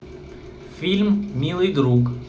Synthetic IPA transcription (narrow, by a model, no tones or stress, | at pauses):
fʲilʲmmʲilˠɨjd̪ɾuk